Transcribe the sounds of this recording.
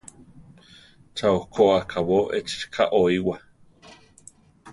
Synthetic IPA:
t͡ʃauhkʰoakʰawoʔet͡ʃkʰaʔoiwa

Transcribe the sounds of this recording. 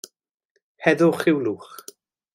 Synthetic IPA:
hɛðʊχɪwluːχ

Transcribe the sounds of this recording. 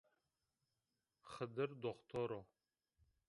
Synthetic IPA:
χəd̪ɨrd̪oχt̪ʰoɾo

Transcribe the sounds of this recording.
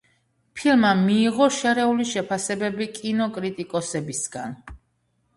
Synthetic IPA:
pʰilˠmamiːʁɔʃɛɾɛuliʃɛpʰasɛbɛbikʼinɔkʼɾit̪ʼikʼɔsɛbisɡa̰n

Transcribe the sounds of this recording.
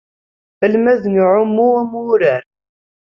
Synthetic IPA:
fəlmæðənʕʊmːuæmʊɾæɾ

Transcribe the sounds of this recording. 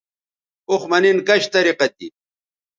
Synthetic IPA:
oχmɐninkɐɕt̪ɐɾiqɐt̪̚i

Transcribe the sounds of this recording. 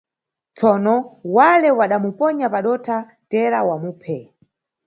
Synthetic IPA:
t͡sɔnɔwalɛwaɗamupɔɲapaɗɔtʰa | tɛɾawamuːpʰɛ

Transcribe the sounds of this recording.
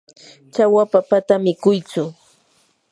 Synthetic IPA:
t͡ʃawapapat̪amɪkʊjt͡sʊ

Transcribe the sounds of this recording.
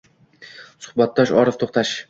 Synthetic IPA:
sʊ̥hbat̪̚ːɒʃɒɾɨft̪ʰoχt̪ʰaʃ

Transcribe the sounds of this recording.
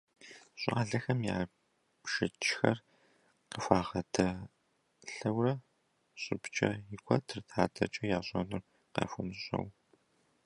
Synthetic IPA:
ɕʼa̰ːɮɐxɐmjaː | pʃɪt͡ʃʰʼxɐr | qəfʷaːʁɐdʰɐ | ɬɐwrɐ | ɕʼɪpt͡ʃʼɐ̰ɪkʷʰʼɐtʰɨrtʰaːtʰɐ̰t͡ʃʼɐjaːɕʼɐnʊr | qɐ̰fʊnɕʼɐ̰w

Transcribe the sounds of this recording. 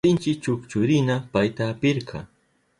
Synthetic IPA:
ɪnt͡ʃɪk̚t͡ʃʊkt͡ʃʊɾɪnapajt̪aːpɪɾkʰɑ̰

